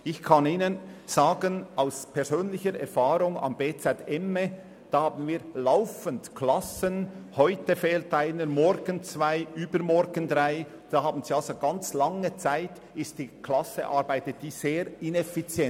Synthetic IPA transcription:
ɪçkʰɑniːnənzaːɡənaʊspʰɛɾzøːnlɪçəɾɛ̰ɾfaːɾʊŋɑ̰mbeːt͡sɛtɛme | d̥ɑːhɑːbn̩viːlaʊfəndkʰlɑsənhɔʏtəfeːltʔaɪnəɾmɔɾɡ̥ənt͡svaɪyːbəɾmɔɾɡəndɾaɪ | d̥ɑːhɑːbn̩ziːɑlsoɡɑnt͡slɑŋət͡saɪt | ɪst̚d̥iːkʰlɑsḛʔɑɾbaɪtət̚d̥iːzeːɾɪnɛfit͡sjɛ

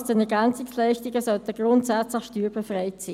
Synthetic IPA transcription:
sd̥ɛnɛɐɹɡænt͡sɪkslɛɪʃtɪɡəsœlt̪əɡ̥ʁʊntsæt͡slɪχʃtyːɹbefʁɛɪtsiː

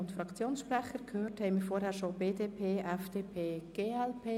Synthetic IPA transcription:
ʊntfɾɑkt͡sjoːnsʃprɛχəɾkʰhøːrthɛɪmiːɾfɔɾhæːɾʃobeːdeːpʰeːʔɛfd̥eːpʰeːɡ̥eːɛlpʰeː

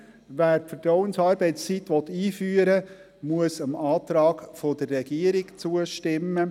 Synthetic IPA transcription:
ʋæːɾfəɾtɔwənsɑːɾbɛɪt͡st͡sitʋɔt̪ːiːfyːəɾə | muəsəmɑːt̪ɾɑːɡfod̥ərːɛɡ̥iəɾɪkt͡suəʃtɪmːə

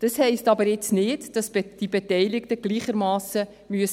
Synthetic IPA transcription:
d̥ɑshɛɪstɑbəɾjɪt͡snɪːdd̥ɑsd̥ibetɛjlɪktəɡ̥liːχəɾmɑːsə | myəs

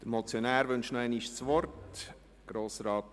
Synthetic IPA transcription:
d̥əmɔt͡sjonæːɾʋʏnʃnoæɪniʃsʋɔrt | ɡ̥ɾoːsrɑːt

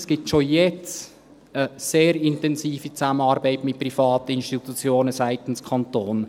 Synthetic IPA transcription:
sɡ̥iːp̚tʃojɛt͡s | əseːɾɪntɛnsiːfit͡samənɑːɾbaɪtmɪt̚prifɑːtəɪnʃtitut͡sjoːnəsaɪtən̩skʰɑntoːn

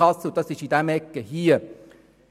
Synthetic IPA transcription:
ɑsːəʊntd̥̪ɑsɪʃid̪æmɛkːəhiːə

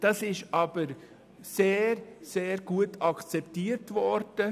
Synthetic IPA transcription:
d̥ɑsɪʃʔɑb̥əɾ | seːɾseːɾɡ̥uətʰɑkʰt͡sɛptiːɾtvɔɾd̥ə

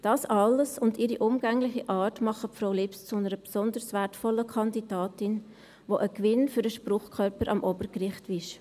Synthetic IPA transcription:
d̥ɑːsɑləsʊndɪɾiʔʊmɡ̥ɛŋlɪχiʔɑːrtmɑχəpfɾoʊlɪpst͡sʊnəɾəbsɔndəɾsvɛɾtfɔlːəkʰɑndidɑːtɪn | voʔəkvɪnfyɾdəʃprʊχkʰœɾpəɾʔɑmʔobəɾkrɪχtɪʃ

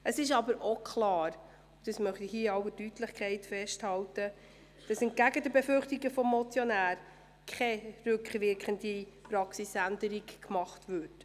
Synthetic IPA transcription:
əsɪʃɑbəɾokʰlɑːɾ | ʊd̥ɑsmœχtihiəɑʊwədytləχkʰɛɪtfɛʃthɑltə | d̥ɑsɪnt̚ɡ̥æɡədəbefʏɾχtiɡəfɔmːɔt͡sjɔnæːɾ | kʰχɛɾʉkχʋɪɾkχəndipɾɑksisændəɾikmɑχtʋʉt

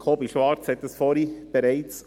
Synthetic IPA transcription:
kʰoːbiʃʋɑɾt͡shɛt̪əsfɔɾib̥eɾɛɪt͡s

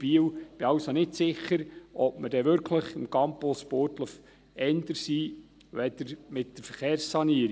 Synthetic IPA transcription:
b̥iːəwb̥ɪɑʊsonɪtsɪχəɾʔɔp̚məd̥ɛʋʏɾkʰləχɪmkɑmpospoːtləf | ɛnd̪əɾsiː | ʋɛd̥əɾmɪt̚d̥əɾfəɾχeːrsːɑniəɾi

